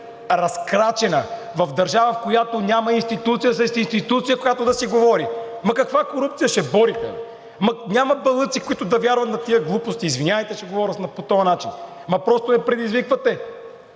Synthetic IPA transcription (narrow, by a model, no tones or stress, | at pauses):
ɾɐskɾat͡ʃɛnɐ | vɐfd̪ɐɾʒavɐfkojat̪onʲamɐinst̪it̪ut̪sijəsɐsinst̪it̪ut̪sijəkojat̪od̪ɐsiɡovɔɾi | mɐkɐkvakoɾup̚t̪sijəʃɛbɔɾixɐ̰ | mɐnʲamɐbɐlˠɤt̪sikʊit̪ʊd̪ɐvʲjaɾvɐt̪nɐt̪iəɡlˠupost̪iːzvinʲavɐjt̪ɛt͡ʃɛɡovɔɾʲət̪nɐpot̪ɔjɐnat͡ʃin | mɐpɾɔst̪onɛpɾɛd̪izvikvɐt̪ɛ